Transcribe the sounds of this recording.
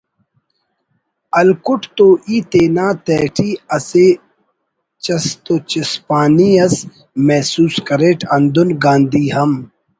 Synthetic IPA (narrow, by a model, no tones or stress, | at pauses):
ɐlkʊʈt̪oːʔiːt̪eːnaːt̪eːʈʰiːɐse | t͡ɕɐst̪oːt͡ɕispaːniːɐs | mɛːsuːskɐɾeːʈʰɐnd̪unɡaːnd̪iːɦɐm